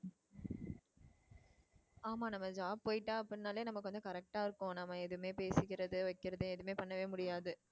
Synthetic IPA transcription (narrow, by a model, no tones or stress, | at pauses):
aːmaːnɐmːɐd͡ʒaːb̚poːjɪʈːaːɐpːɐɪnːaːleːnɐmːɐkːɯʋɐnd̪ɯkɐɾɛk̚ʈaːɪɾɯkːʊ̃nɐmːɐɛðɯmeːpeːsɯkɪɾɐðɯʋɐɪkːɪɾɐðɯɛðɯmeːpɐɳːɐʋeːmʊɽɪjaːðɯ